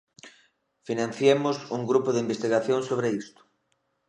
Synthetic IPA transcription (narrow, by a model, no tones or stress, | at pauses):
finãn̟θjemʊsuŋɡɾupʊðɪimbest̪iɣaθjõŋsoβ̞ɾeist̪ʊ̥